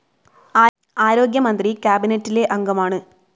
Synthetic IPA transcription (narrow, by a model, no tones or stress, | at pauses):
aːɾo̞ːɡjɐmɐnd̪rikjaːbinetːile̞ʔɐŋɡɐmaːɳɨ